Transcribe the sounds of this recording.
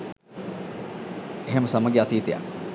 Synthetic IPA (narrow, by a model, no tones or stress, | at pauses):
eɦeməsamɐɡeɐt̪iːt̪eja̰